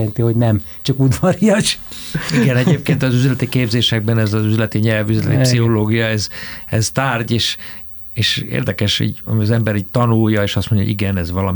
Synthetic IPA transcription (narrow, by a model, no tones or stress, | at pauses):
ɛnt̪iho̞ɟnɛm | t͡ʃɒkud̪ʋɒɾijɒʃiɡɛnɛɟ̪eːp̚keːnt̪ɒzyzlɛt̪ikeːbzeːʃɛɡ̚bɛnɛzɒzyzlɛt̪iɲɛlvyzlɛt̪ipsiɦoloːɡijɒɛzɛzt̪aːrɟeːʃ | eːʃḛːrd̪ɛkɛʃhḭɟɒ̰miɒzɛmbɛɾiːc̚t̪ɒnujːɒeːʃɒst̪mo̞ɲɟɔ̰o̰iɡɛnɛzʋɒlɒm